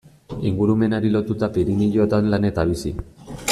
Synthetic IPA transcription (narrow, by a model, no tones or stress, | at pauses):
iŋɡuɾume̞naɾilo̞t̪ut̪apiɾiniʎot̪anlane̞t̪aβ̞isḭ